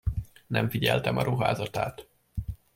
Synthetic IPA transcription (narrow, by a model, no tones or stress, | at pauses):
nʔɛɱfiɟɛlt̪ɛmɒɾʔuɦa̰ːzɒt̪aːt̪